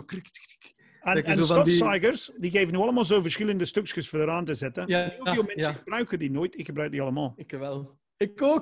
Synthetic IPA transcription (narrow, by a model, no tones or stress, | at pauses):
krɪktktk | ənkənostɔsajɡəɹsdiɡeːvənyːɑləmɑːlˠzoːfvəɹsxɪlˠəndəstøkskəsfɔɹdəɾaːntəzɛtənnjumɛnsəxəb̥rœɥkədinoːjtɪkxəbɾaɥk̚diɑlˠəmaːlˠɪkəʋɛlˠ | ɪkoː